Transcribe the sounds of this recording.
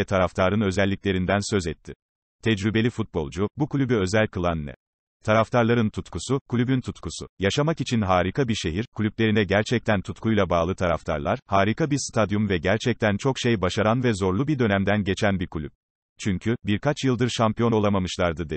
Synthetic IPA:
ɛt̪ʰaɾaft̪ʰaːɾɯnø̞zɛlʲːicʲlʲeɾind̪ænsø̞zɛt̪ʰːi | t̪ʰɛd͡ʒɾybe̞lʲifut̪̚bo̞̰lˠd͡ʒubukʰlʲybyø̞zælʲkɯlˠanːɛ̰ | t̪ʰaɾaft̪ʰaɾlˠaɾɯnt̪ʰut̪kʰusukʰulʲybynt̪ʰut̪kʰusṵjaʃamakit͡ʃʰinɦaːɾikʰabiɾʃe̞ɦiɾkʰulʲyplʲe̞ɾinɛɟæɾt͡ʃʰɛc̚t̪ʰænt̪ʰut̪kʰujlˠabaːlˠɯt̪ʰaɾa̰ft̪ʰa̰ɾlˠaɾ̥haːɾikʰabiɾst̪ʰad̪jumvɛɟæɾt͡ʃʰɛc̚t̪ʰænt͡ʃʰo̞kʃejbaʃaɾanvɛzo̞ɾlˠubiɾd̪ø̞næmd̪ænɟe̞t͡ʃʰænbiɾkʰlʲyp̚ | t͡ʃʰyɲcʰybiɾkʰat͡ʃjɯlˠd̪ɯɾʃampijo̞no̞lˠamamɯʃlˠaɾd̪ɯd̪e

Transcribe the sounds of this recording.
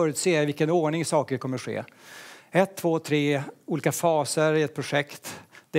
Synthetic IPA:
œːɾʉt̪seːavɪlkənoːɳɪŋsɑːkəkʰɔmːəɧḛː | ɛt̪ʰːv̥oːt̪ʰɾeːuːliːkafɑːsəɾɪɛt̪̚pʰɾʊɧɛkt̪d̪ɛ

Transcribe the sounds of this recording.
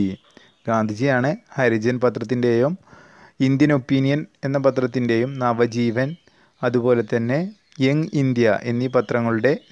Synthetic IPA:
ɡaːnd̪ʱid͡ʑijaːɳɨhɐɾid͡ʑɐnpɐt̪rɐt̪ːinde̞jum | ind̪jɐno̞pːinijɐne̞nːɐpɐt̪rɐt̪ːinde̞jumnɐʋɐd͡ʑiːʋɐn | ɐðubo̞ːle̞t̪ːɐnːe̞ | jeŋind̪jɐʔenːipɐt̪rɐŋːɐɭuɽe̞

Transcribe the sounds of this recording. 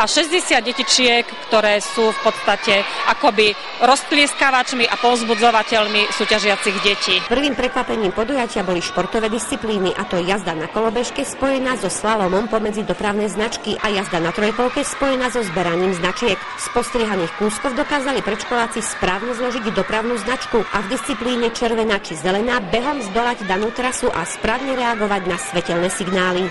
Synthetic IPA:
ʔaʃɛzɟɛsɪad̪ɟɛcit͡ʃɪɛkːt̪ɔɾɛːsuːfpɔt̪st̪acɛʔakɔbi | ɾɔsp̪lɪɛskaʋat͡ʃmiʔapɔʊzbud͡zɔʋacɛʎmisuːcaʒɪat͡siɣɟɛciːpr̩ʋiːmpɾɛkʋapɛɲiːmpɔd̪ujacɪabɔliʃpɔɾt̪ɔʋɛːd̪ist͡sipliːniʔat̪ɔjazd̪anakɔlɔbɛʃkɛspɔjɛnaːzɔslalɔmɔmpɔmɛd͡zid̪ɔpɾaʊnɛjznat͡ʃkiʔajazd̪anat̪ɾɔjpɔʊkɛspɔjɛnaːzɔzbɛɾaɲiːmznat͡ʃɪɛk | spɔst̪ɾɪɛɦaniːxkuːskɔʊd̪ɔkaːzalipɾɛʃkɔlaːt͡sispɾaːʊɲɛzlɔʒiɟd̪ɔpɾaʊnuːznat͡ʃkuʔavd̪ist͡sipliːɲɛt͡ʃɛɾʋɛnaːt͡ʃizɛlɛnaːbɛɦɔmzd̪ɔlaɟd̪anuːt̪ɾasuʔaspɾaːʊɲɛɾɛaɡɔʋaɟnasʋɛcɛlnɛːsiɡnaːli

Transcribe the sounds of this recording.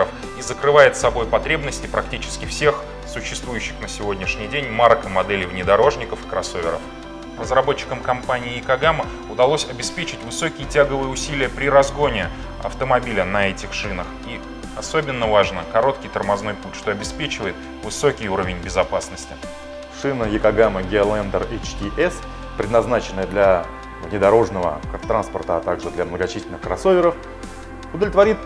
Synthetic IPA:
əf | izəkɾɨvajɪt̪sɐbo̞jpɐt̪ɾʲe̞bnəsʲtʲɪpɾʔɐk̚tʲit͡ɕɪ̥skʲɪfsʲe̞x | sʊɕːɪst̪vujʉɕːɪ̥xnəsʲɪvo̞dʲnʲɪʂnʲɪjdʲenʲmaɾkəmɐd̪ɛlʲɪvnʲɪd̪ɐɾo̞ʐnʲɪkəfɨ̥kɾɐso̞vʲɪ̰ɾə̰f | rəzrɐbo̞t͡ɕːɪ̥kəmkɐmpanʲɪːɪkɐɡamə | ʊd̪ɐlˠo̞sʲɐbʲɪspʲet͡ɕɪtʲvɨso̞kʲɪjɪtʲaɡəvɨjəʊsʲilʲɪjəpɾʲɪɾɐzɡo̞nʲɪ | ɐ̰ft̪əmɐbʲilʲənɐɛtʲɪxʂɨnəxi | ɐso̞bʲɪnːəvaʐnəkɐɾo̞t̪kʲɪjt̪ərmɐznojputʲʂt̪o̞ɐbʲɪspʲet͡ɕɪvəjɪt̪ | vɨso̞kʲɪjuɾəvʲɪnʲbʲɪzɐpasnəsʲtʲɪ̥ | ʂɨnəjɪkɐɡaməɡʲɪlˠɛnd̪əret͡ɕt̪ʲiʔɛs | pɾʲɪd̪nɐznat͡ɕɪnːəjəd̪lʲɐ | vnʲɪd̪ɐɾo̞ʐnəvə̰t̪ɾanspərt̪əɐt̪aɡʐɨd̪lʲɐmnəɡɐt͡ɕisʲɪlʲnɨxkɾɐso̞vʲɪɾəf | ʊd̪əvʲlʲɪt̪vɐɾʲit̪̚

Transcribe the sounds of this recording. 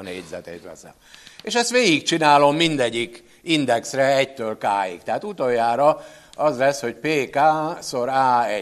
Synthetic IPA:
nḛːɟzɛ̰t̪ḛːt̪ʋɛ̰sɛ̰meːʃɛst̪ʋeːɡik̚t͡ʃinaːlo̞mːind̪ɛɟːik | ind̪ɛksrɛɛct̪øːlkaːjḭkt̪ɛɦaːt̪ut̪ojːaːɾɒɒzlɛsho̞cpeːkaːso̞ɾaːɛ

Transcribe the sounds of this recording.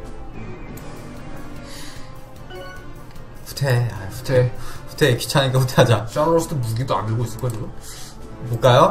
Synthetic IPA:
ɸʰu̥tʰeapu̥tʰeɸu̥tʰeki̥t͡ɕʰaɲikapʰutʰeɦad͡ʑat͡ɕ͈aɾoɾosʰodomuɡidoa̰nɯɭɡois͈ɯɭkoaiɡo | mok͈ajo

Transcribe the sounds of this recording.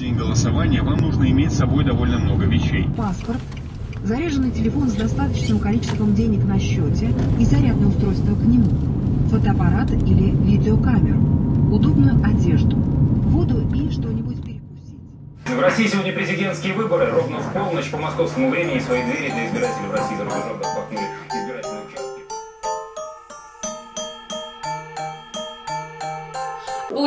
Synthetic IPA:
enʲɡəlˠəsɐvanʲɪjəvamnuʐnəɪmʲetʲsɐbo̞jd̪ɐvo̞lʲnəmno̞ɡəvʲɪɕːḛjpaspərt̪ | zɐɾʲeʐɨnːɨjtʲɪlʲɪfo̞nzd̪ɐst̪at̪ət͡ɕɪnɨmkɐlʲit͡ɕɪst̪vəmdʲenʲɪknɐɕːotʲɪizɐɾʲad̪̚nəjəʊst̪ɾo̞jst̪vəknʲɪmufot̪əɐpɐɾat̪ilʲɪvʲidʲɪokamʲɪɾʊʊd̪o̞bnʊjʊʔɐdʲe̞ʐd̪ʊvod̪ʊʔilʲɪʂt̪o̞nʲɪbʊtʲpʲɪɾʲɪkʊ̥sʲitʲ | vɾɐsʲijːsʲɪvo̞dʲnʲəpɾʲɪzʲɪdʲe̞nt̪skʲɪjəvɨbəɾɨro̞vnəfpo̞lˠnəɕpəmɐsko̞fskəmʊvɾʲemʲɪnʲɪsvɐjid̪vʲeɾʲɪd̪lʲɪɪzbʲɪɾatʲɪlʲɪvrɐsʲijizɾoəovnəɐnuɾʲɪɪzbʲɪɾatʲɪlʲnjʊt͡ɕæsʲtʲɪ

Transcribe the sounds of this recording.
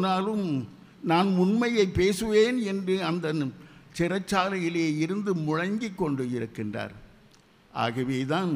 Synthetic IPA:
naːlɯm | naːnʊnmɐjɐɪpːeːsɯʋeːnɛndrɯɐnd̪ɐt͡ʃɪrɐt͡ʃːaːlɐjɪleːɪɾɯnd̪ɯmʊɻɐŋɡɪkːɔɳɖɯɪɾɯkːɪndra̰ːɾ | ʔa̰ːɣɐʋeːt̪aːn

